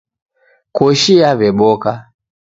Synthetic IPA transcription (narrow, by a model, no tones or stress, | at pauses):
kɔʃiavɛɓɔka